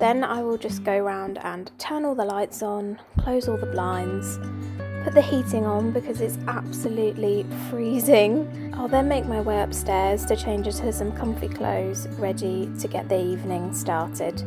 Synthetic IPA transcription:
ðə̃na̰ɪwɪlˠd͡ʒʌsɡ̥əʊɹãʊ̃ndə̰̃ntʰɜːnɔːlˠðəlaɪtsn̩ | kʰl̥oʊzɔlˠðəblãɪ̃nz̥pʰʊʔ̪̚ðəhiˑtɪ̃ŋə̃nbɪkʰʌzɪtsʔab̥səlʉˑʔli | fɹiːzɪ̃ŋ | ʔaɪlˠðə̃nmeɪk̚maɪweɪʌpstɛːz̥tʰɨt͡ʃʰẽɪ̃nd͡ʒəz̥əsʌ̃mkʰʌ̃mpʰlḭkʰl̥o̰ʊz̥ | ɹɛditʰəɡɛ̰ʔðiiːvnɪ̃ŋstɑˑtʰɪ̰d̥

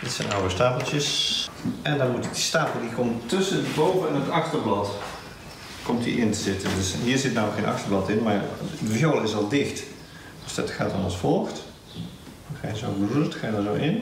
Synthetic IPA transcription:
d̥ɪtsɛnawəstaːpəlˠtjəs | ɛndɔnmutdistaːpəl̩ˠdikʰɔmtɵsəndəbowvəɛnətɑxtərblɑt | kɔmtdḭʔɪntəzɪtəndøsɦiːɹzɪtnawməkxenʔɑ̰xtərblɑtɪnmaːrdəfjolˠɪsɑlˠdɪxt | ɔsdɔtxa̰ːtɔnɑ̰lˠsfɔlˠxt | xaəzowbrutxaːjdazowʔɪn

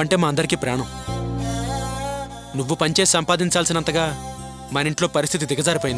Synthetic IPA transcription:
ɐɳʈe̞ːmaːɐnd̪ɐɾikiːpɾaːɳɐm | nuʋːupɐɲt͡ʃe̞ːsisɐmpaːd̪iɲt͡ʃaːlsinɐnt̪ɐɡaː | mɐniɳʈlo̞ːpɐɾist̪ʰit̪id̪iɡɐd͡ʒaːɾipojind̪

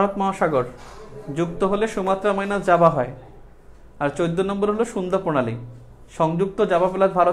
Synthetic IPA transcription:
ɾot̪maɦaʃaɡoɾd͡ʑukt̪oɦoleʃumat̪ːɾamɔjnad͡ʑabaɦɔe | aɾt͡ɕojd̪ːonɔmboɾɦoloʃund̪ʱaponali | ʃɔŋd͡ʑuk̚t̪od͡ʑabapelaɾ̚bʱaɾo

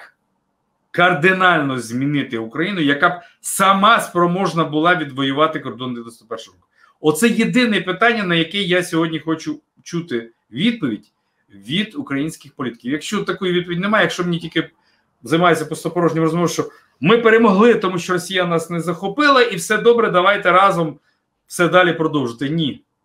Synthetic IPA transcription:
k | kɐrd̪ɪnɑlʲnɔzʲmʲinɪt̪ɪʊkɾɐjinʊjɐkɑb̚ | sɐmɑspɾɔmɔʒnɐbʊlˠɑʋʲid̪ʋɔjʊʋɑt̪ɪkɔrd̪ɔnd̪ʲid̪ɔst̪ɔpɛrʃʊɔk | ɔt̪sɛjed̪ɪnɛpɪt̪ɑnʲːɐnɐjɐkɛjasʲɔɦɔdʲnʲixɔt͡ʃʊ | t͡ʃut̪ɪ | ʋʲid̪̚pɔʋʲidʲ | ʋʲid̪ukɾɐjinʲsʲkɪxpɔlʲit̪ɪ̥kʲiʋjɐkʃt͡ʃɔt̪ːɐkujʊʋʲid̪̚p̬ɔʋʲidʲnemɑjjɐkʃt͡ʃɔmenʲitʲilʲkɪ | zɐjmɑjɪt͡sʲɐpɔst̪ɔpɔɾɔʒnʲɪmrɔzmɔʋʃt͡ʃɔ | mɪpeɾemɔɦlˠɪt̪ɔmuʃt͡ʃɔɾɔsʲijɐnɑsnɛzɐxɔpɪlˠɐʔiwsɛd̪ɔbɾɛd̪ɐʋɑjt̪ɛɾɑzɔm | wsɛd̪ɑlʲipɾɔd̪ɔwʒɪt̪ɪnʲi

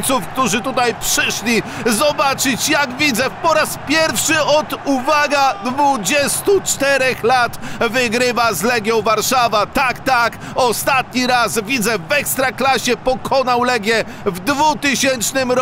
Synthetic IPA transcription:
t̪sufk̚t̪uʐɘt̪ut̪ajpʂɘʂlʲi | zɔbat͡ʂɘt͡ɕjaɡvʲid̪zɛpɔɾaspʲjɛɾfʂɘʔɔd̪uvaɡad̪vud͡ʑɛst̪ut͡ʂt̪ɛɾɛxlat̪vɪɡɾɪvazlɛɡʲjɔ̃w̃vaɾʂavat̪akt̪ak | ɔst̪at̪ɲiɾasvʲid̪zɛvɛkst̪ɾaklaɕɛpɔkʰɔnawlɛɡʲjɛ | vd̪vut̪ɘɕɛnt͡ʂnɘmɾ

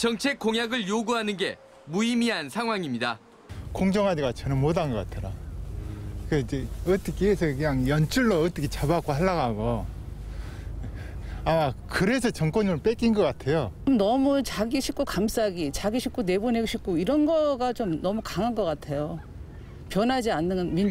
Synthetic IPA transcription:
t͡ɕʌŋt͡ɕʰe̞k͈oŋjaɡɯɭjoɡuɦanɯnɡe̞ | muimiɦansʰaŋɦwaŋimɲida | koŋd͡ʑʌŋɦadeɡat͡ɕʌnɯnmodanɡʌk͈atʰʌɾa | keid͡ʑeʌt͈ʌkʰeːsʰʌkɯɲaŋjʌnt͡ɕʰuɭːoːt͈ʌkʰet͡ɕabak͈ohaɭːaɣaɡo | akɯɾe̞s̬ʰʌt͡ɕʌŋk͈wʌɲimɯɭp͈ek͈inɡʌk͈atʰe̞joomnʌmut͡ɕaɡiɕʰik͈̚okams͈aɡit͡ɕaɡiɕʰik͈one̞boneɡoɕʰik̚k͈oiɾʌnɡʌɡat͡ɕomnʌmukaŋanɡʌk͈atʰe̞jo | pjʌnɦad͡ʑianːɯnnmin

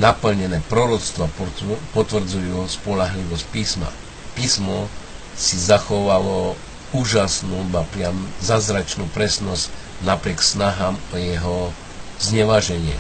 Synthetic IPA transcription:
napl̩ɲɛnɛːpɾɔɾɔt͡st̪ʋɔpɔt̪ʋr̩d͡zujuspɔlaɦliʋɔsc̚piːsma̰ | piːsmɔ | sizaxɔʋalɔ | uːʒasnuːapɾɪamzazɾat͡ʃnuːpɾɛsnɔsc | napɾɪɛksnaɦaːmɔjɛɦɔ | zɲɛʋaʒɛɲɪɛ̰

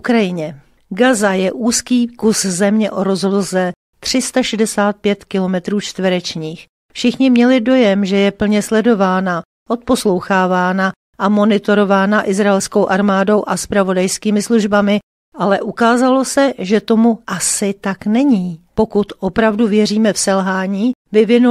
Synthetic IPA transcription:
ukɾajɪɲɛ | ɡazajɛʔuːskiːkuszɛmɲɛʔoɾo̞zɦo̞dl̩sɛ | t̪r̝̥ɪst̪aʃɛdɛsaːt̪̚pjɛt̪kɪlo̞mɛt̪ɾuːt͡ʃt̪vɛɾɛt͡ʃɲiːx | fʃɪxɲɪmɲɛlɪdo̞jɛmʒɛjɛpl̩ɲɛslɛdo̞vaːna | ʔo̞t̪̚po̞slo̞wxaːvaːna | ʔamo̞nɪt̪o̞ɾo̞vaːnaʔɪzɾaɛlskowʔaɾmaːdo̞wʔaspɾavo̞dajskiːmɪsluʒbamɪ | ʔalɛʔukaːzalo̞sɛʒɛt̪o̞muʔasɪt̪aknɛɲiːpokut̪ʔo̞pɾavduvjɛriːmɛfsɛlɦaːɲiːvɪvɪnu

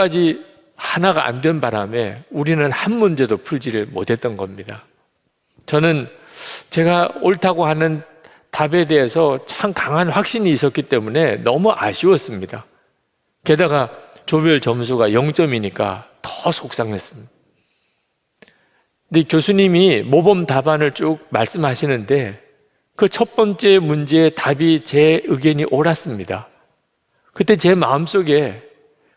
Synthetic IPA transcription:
ad͡ʑi | hanaɡaʔa̰ndwe̞nbaɾame̞uɾinɯnhanmund͡ʑe̞dopʰuɭd͡ʑiɾɯɭmo̰tʰe̞t͈̚ʌnɡʌmɲida | t͡ɕʌnɯn | t͡ɕe̞ɡaoɭtʰaɡohanɯn | tabe̞de̞ɦesʰʌt͡ɕʰaŋkaŋɦanɸwak̚ɕ͈iɲiːs͈ʌt̚k͈it͈e̞mune̞nʌmuʔaɕʰiwʌs͈ɯmɲida | ke̞daɡa | t͡ɕobjʌɭt͡ɕʌmsʰuɡajʌŋt͡ɕ͈ʌmiɲik͈a̰tʌ̥sʰok̚s͈aŋes͈ɯ | dikjosʰuɲimimobʌmtabanɯɭt͡ɕ͈ok̚maɭs͈ɯmɦaɕʰinɯnde̞ | kɯt͡ɕʰʌt̚p͈ʌnt͡ɕ͈e̞mund͡ʑe̞ːtabit͡ɕe̞ɯɡeɲiʔoɾas͈ɯmɲida | kɯt͈e̞t͡ɕe̞ma̰ɯms͈oɡe̞

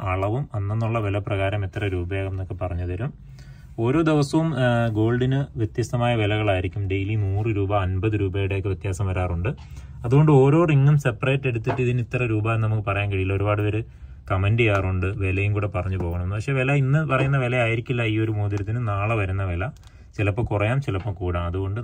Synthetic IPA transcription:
ɐɭɐʋumɐnːenːuɭːɐʋelɐprɐɣaːɾɐmit̪ːɐrɐɾuːbɐjaːɣɐmenːokːe̞pɐrɐɲːɐðɐɾum | o̞ːɾo̞ːd̪eʋɐsɐʋumɡo̞ːlɖinɨʋjet̪jɐst̪ɐmaːjɐʋelɐɣɐɭaːjiɾikʲːumɖe̞jlinuːrɨɾuːbɐːnbɐðɨɾuːbɐjiɽekːɨʋjt̪jaːsɐmʋɐɾaːruɳɖɨ | ɐðuɣo̞ɳɖɨo̞ːɾo̞ːriŋːumse̞pːreːʈːe̞ɽut̪ːiʈːiðinit̪ːɐrɐɾuːbaːjnːɨnɐmukːɨpɐrɐjaːnkɐɻijilːɐo̞ɾubaːɽɨʋɐɾɨ | kɐmenɖijaːruɳɖɨʋe̞lɐjumkuːɽe̞pɐrɐɲːupo̞ːɣɐɳɐmenːɨpɐkʂe̞ːʋelɐinːɨpɐrɐjunːɐʋelɐaːjiɾikʲːilːɐiːo̞ɾumoːd̪iɾɐt̪ːinɨnaːɭɨʋɐɾunːɐʋelɐ | t͡ɕilɐpːɐmkurɐjaːmt͡ɕilɐpːomkuːɽaːmɐðuɣo̞ɳɖɨ

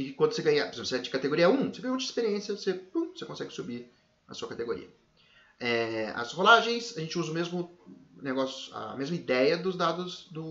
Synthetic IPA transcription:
ɪkwɐ̃d̪ʊseɡɐ̃ɲɐpoɾezẽmpɾseɛd͡ʒɪkat̪eɡoɾiɐũoseɡɐ̃j̃umɐ̃d͡ʒispeɾiẽsjɐvosepũsekõsɛɡɪsubiɾ | ɐ̰suɐkat̪eɡoɾḭɐ | ɛɐ̰sholaʒẽj̃sɐʒẽnt͡ʃɪuzɐʊmezmʊneɡɔsjʊɐ̰mezmɐid̪ɛjɐd̪ʊzd̪ad̪ʊzd̪ʊ

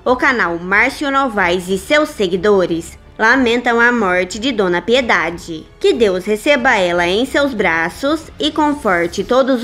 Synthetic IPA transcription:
ʊkanawmaɾsjunɔvajzɪsewsːeɡid̪oɾɪs | lamẽnt̪ɐ̃w̃ɐmɔɾt͡ʃɪd͡ʒɪd̪õnɐpied̪ad͡ʒɪ | kɪd̪ewshesebɐɛlɐẽj̃sewzbɾasʊs | ɪkõfɔɾt͡ʃɪt̪od̪ʊz

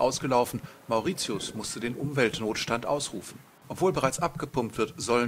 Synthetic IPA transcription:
ʔaʊsɡ̥əlaʊfn̩maʊʁiːt͡sjʊsmʊstədeːnʔʊmvɛltnoːtʃtantʔa̰ʊsʁ̥uːfn̩ | ʔɔpv̥oːlbəʁaɪt͡sʔapɡ̥əpʊmptv̥ɪɐtz̥ɔlə

